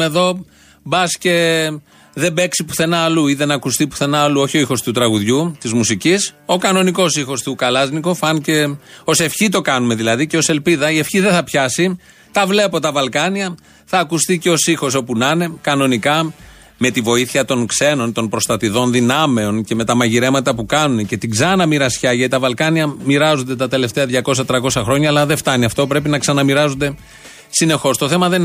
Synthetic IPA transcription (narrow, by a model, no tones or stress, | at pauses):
e̞ðo̞ | bɐsce̞ | ðe̞be̞ksipu̥θe̞nɐːluiðe̞nɐkust̪ipu̥θe̞nɐːluo̞çio̞ixo̞st̪ut̪ɾɐɣuðʝut̪izmusiciso̞kɐno̞niko̞sixo̞st̪ukɐlɐzniko̞fɐnce̞o̞se̞fçit̪o̞kɐnume̞ðilɐðiceo̞se̞lpiðɐie̞fçiðeθɐpçɐsi | t̪ɐvle̞po̞t̪ɐvɐlkɐniɐ | θɐːkust̪iceo̞sixo̞so̞punɐne̞kɐno̞nikɐ | me̞t̪ivo̞iθiɐt̪o̞nkse̞no̞nt̪o̞npɾo̞st̪ɐt̪iðo̞nðinɐme̞o̞nce̞me̞t̪ɐmɐʝiɾe̞mɐt̪ɐpukɐnunece̞t̪iɡzɐnɐmiɾɐsçɐjʝɐt̪it̪ɐvɐlkɐniɐmiɾɐzond̪et̪ɐt̪e̞le̞ft̪e̞ɐðʝɐko̞s̬ɐt̪ɾɐko̞sɐxɾo̞ɲɐːlɐðeft̪ɐniɐft̪o̞pɾe̞pinɐksɐnɐmiɾɐzond̪e̞ | sine̞xo̞st̪o̞θe̞mɐðe̞n